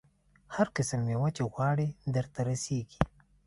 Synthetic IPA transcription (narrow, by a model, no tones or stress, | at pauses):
haɾkɪsəmːewat͡ʃeɣwɑɽid̪əɾt̪aɾaseɡi̥